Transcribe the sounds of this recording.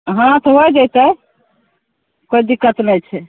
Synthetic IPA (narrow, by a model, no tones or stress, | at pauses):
ɦãt̪əɔd͡ʒajt̪ə | kod̪ikːət̪nɛt͡ʃʰɛ